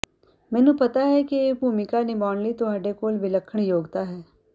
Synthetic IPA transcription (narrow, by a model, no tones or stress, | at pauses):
mɛ̃ːnũpɐt̪aɦɛkieːbʱuːmɪkanɪbaːnlit̪oɦɐɖekoːlbʱɪləkʰːəɳ̃joːɡt̪aɦɛː